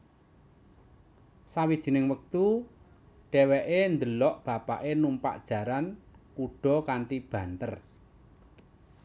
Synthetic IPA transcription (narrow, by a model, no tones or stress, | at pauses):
sawid̥ʒ̥i̤nɪŋwək̚t̪u | ɖ̥ɛwɛʔend̪əlɔʔb̥ä̤pa̰ʔenumpa̰ʔd̥ʒ̥ä̤ɾankuɖ̥ɔ̤kaɳʈib̥ä̤nt̪ər